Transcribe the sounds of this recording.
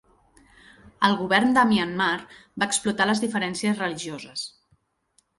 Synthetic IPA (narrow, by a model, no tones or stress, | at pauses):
əlˠɣuβɛɾnd̪əmiənmaɾbaːksplut̪aləzðifəɾɛnsiəzrəliʒiozəs